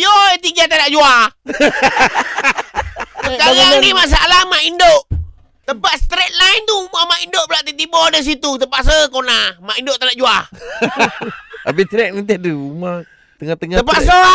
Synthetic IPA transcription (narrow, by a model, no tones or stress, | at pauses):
joit̪iɡat̪adaʔd͡ʒuah | akanimaʔs̬aalahmaʔindoʔ | t̪əpaʔ̪st̪ɾet̪̚laint̪umamaʔindoʔbəlaʔt̪it̪ibɔdəs̬it̪ut̪əpaʔs̬əkonamaʔindoʔt̪adaʔd͡ʒuah | abit͡ʃɾɛk̚nit̪̬ɛduma | t̪əŋat̪əŋat̪əpaʔsə